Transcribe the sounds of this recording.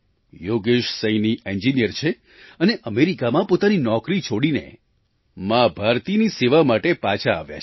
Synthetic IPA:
joɡeʃsəjniʔɛɲd͡ʒinijəɾt͡ʃʰe | əneʔəmeɾikamãpot̪aninɔkɾit͡ʃʰoɽinḛ | mãbʱaɾt̪iniseʋamaʈepat͡ʃʰa̰ːʋja̰

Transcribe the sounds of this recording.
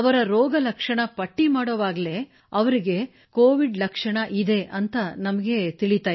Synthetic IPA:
ɐʋɐɾɐɾoːɡɐlɐkʂɐɳɐpɐʈːimaːɽoːʋaːɡle̞ | ɐʋɐɾiɡe̞ | koːʋiɖlɐkʂɐɳɐʔid̪e̞ʔɐnt̪ɐnɐmɐɡe̞t̪iɭit̪aː

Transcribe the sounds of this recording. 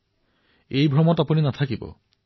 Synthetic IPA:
ejbʱɾɔmɔt̪aponinat̪ʰakibɔ̰

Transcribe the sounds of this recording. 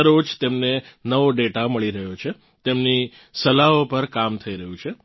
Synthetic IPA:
əɾod͡ʒt̪emnenəʋoɖeʈaməɭiɾəɦjot͡ʃʰe | t̪emni | səlaopəɾkamt̪ʰəiɾəɦũt͡ʃʰe

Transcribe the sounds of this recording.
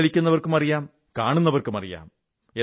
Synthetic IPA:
likʲːunːɐʋɐrkɨmɐrijaːm | kaːɳunːɐʋɐrkumɐrija̰ːm | e

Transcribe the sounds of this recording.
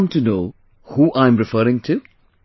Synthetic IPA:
mtʰunoʊ | huʔãɪ̃mɾɨfɜːɾɪ̃ŋtʰu

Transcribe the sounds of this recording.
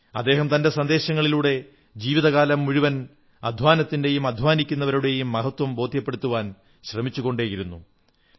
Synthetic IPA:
ɐd̪ːe̞ːɦɐmt̪ɐnde̞sɐnd̪eːɕɐŋːɐɭiluːɽe̞ | d͡ʑiːʋiðɐɣaːlɐmːuɻiʋɐn | ɐd̪ʱʋaːnɐt̪ːinde̞jumɐd̪ʱʋaːnikʲːunːɐʋɐɾuɽe̞jumːɐɦɐt̪wɐmbo̞ːd̪ʱjɐpːe̞ɽut̪ːuʋaːn | ɕrɐmit͡ɕːuɣo̞ɳɖejiɾunːu

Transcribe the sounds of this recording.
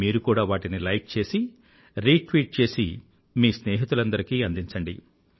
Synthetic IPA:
miːɾukuːɽaːʋaːʈinilɐjk̚t͡ʃe̞ːsi | ɾiːʈʋiːʈ̚t͡ʃe̞ːsḭ | miːsnɛːɦit̪ulɐnd̪ɐɾikiːɐnd̪iɲt͡ʃɐɳɖi

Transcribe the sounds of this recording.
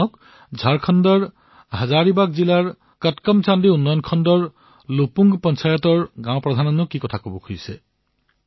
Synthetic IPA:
ɔk | zʱaɹkʰɔndɔɹ | ɦazaɹibak̚zilaɹ | katkɔmt͡ʃandiunːɔjɔnkʰɔndɔɹ | lupuŋɡpɔnsajɔtɔɹɡãw̃pɹɔdʱanɔnʊkikɔtʰakobɔkʰojsɛ

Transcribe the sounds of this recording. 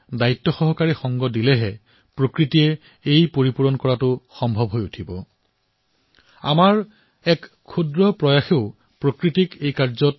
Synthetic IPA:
daitːɔxɔɦɔkaɹixɔŋɡɔdilɛɦɛ | pɹokɹitijɛ | ejpoɹipuɹɔnkɔɹatʊxɔmbʱɔbɦojutʰibɔ | a̰maɹ | ɛk | kʰːudɹɔpɹɔjaxeʊ | pɹokɹitikejkaɹzɔt

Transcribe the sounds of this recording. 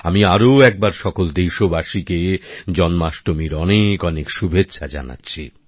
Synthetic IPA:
amiaɾoɛk̚baɾʃɔkold̪ewʃobaʃiked͡ʑɔnmaʃʈomiɾɔnekɔnekʃubʱetːɕʰad͡ʑa̰na̰tːɕʰi

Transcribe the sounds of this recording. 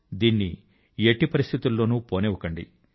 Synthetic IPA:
d̪iːnːi | eʈːipɐɾist̪ʰit̪ulːo̞ːnuːpoːneʋɐkɐɳɖḭ

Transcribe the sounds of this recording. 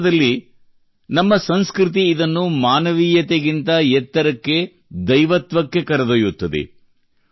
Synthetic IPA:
d̪ɐlːi | nɐmːɐsɐnskɾit̪̬iːd̪ɐnːumaːnɐʋiːjɐt̪eɡint̪ɐjɛt̪ːɐɾɐkːe̞ | d̪ɐjʋɐt̪ʋɐkːe̞kɐɾɐd̪ojut̪ːɐd̪ḛ

